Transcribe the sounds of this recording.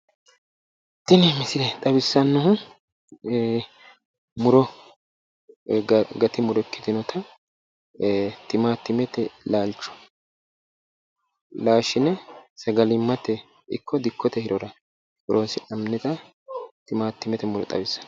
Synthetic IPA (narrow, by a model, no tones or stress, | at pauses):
t̪ːɪnɪmɪsɪɾɛt̪ʼɐbɪsːɐnːɔhʊ | mʊɾɔ | ɡɐt̪ɪmʊɾɔkːɪ̥t̪ɪnɔt̪ʰɐ | t̪ɪmaːt̪ːɪmɛt̪ɛlaːlt͡ʃːɔ̥ | laːʃɪnɛsɐɡɐlɪmːɐt̪ːɛ | ɪ̰kʰːɔd̪ɪkːɔt̪ɛhɪɾɔɾɐ | bʊɾʔoːsɪʔɐmnɛt̪ɐ | t̪ɪmaːt̪ːɪmɛt̪ɛmʊɾɔ̰t̪ʼɐ̰bɪsːɐ̥n